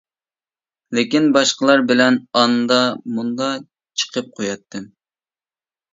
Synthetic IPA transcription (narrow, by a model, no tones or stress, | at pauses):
lɪkʲinbɑʃqəlˠɑɾbɪlɛnɑnd̪ɑmund̪ɑ | t͡ʃʰə̥qʰəp̚qʰojɑt̪ʰːɨm